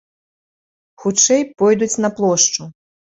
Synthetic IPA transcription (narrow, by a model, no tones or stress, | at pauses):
xut͡ʂɛjpɔjd̪ut͡sʲnɐplˠɔʂt͡ʂu